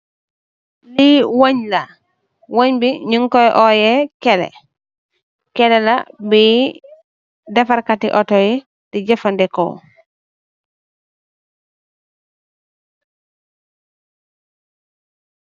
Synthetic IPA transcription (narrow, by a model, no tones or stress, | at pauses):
liwoɲla | woɲbiɲuŋkɔjʔɔjɛkɛlɛ̰ | kɛlɛla̰bi | dɛfaɾkatḭʔɔtɔjɛ | did͡ʒɛfandɛkɔ̰